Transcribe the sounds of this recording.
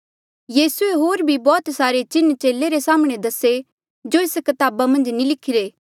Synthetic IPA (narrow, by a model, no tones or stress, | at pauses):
jiːsueɦoːɾbʱibɔːt̪saːɾet͡ʃɪnːt͡ʃeːlːeɾesaːməɽ̃ed̪ɐse | d͡ʒoɪskɐt̪aːbamɐ̃nd͡ʒnilɪkʰːɪɾeː